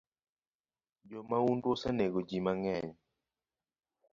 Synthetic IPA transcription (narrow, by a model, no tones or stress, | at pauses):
d͡ʒɔmaundosaneɡod͡ʒimaŋɛɲ